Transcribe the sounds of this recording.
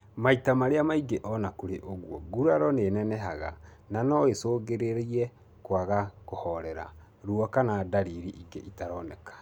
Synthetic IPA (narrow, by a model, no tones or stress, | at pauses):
maitamaɾeamaiɡeʔɔnakoɾeʔoɣwɔɡuɾaɾɔnenɛnɛɦaɣa̰ | nanɔesoːɣeɾeɾiɛ | kwaɣakohɔɾɛɾa̰ | ɾuɔkanadaɾiɾiʔiɡeʔitaɾɔnɛkḁ